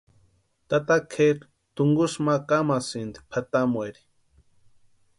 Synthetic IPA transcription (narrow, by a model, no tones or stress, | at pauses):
t̪at̪akʰeɾ | t̪uŋɡusmakamasind̪i̥pʰat̪amweɾi̥